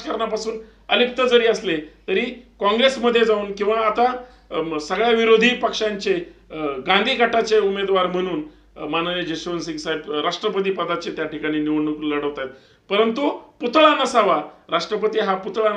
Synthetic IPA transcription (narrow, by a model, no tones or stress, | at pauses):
kəɾɳapasuːn | əlip̚t̪əd͡zəɾiːəslet̪əɾiːkɔ̃ŋɡɾesməd̪ʱːjed͡zauːnkĩw̃ʋaːt̪a | səɡɭjaʋiɾod̪ʱiːpəkʂaɲt͡ɕeɡand̪ʱiːkaʈat͡seumed̪ʋaɾm̤əɽ̃uːn | manəled͡ʑəɕʋənsiŋsaebɾaʂʈɾəpət̪̬iːpəd̪at͡ɕet̪jaʈikaɽ̃iːniʋəɳnukːləɽəʋt̪at̪̚ | pəɾənt̪uput̪ɭanəsaʋaɾaʂʈɾəpət̪iːɦaput̪ɭan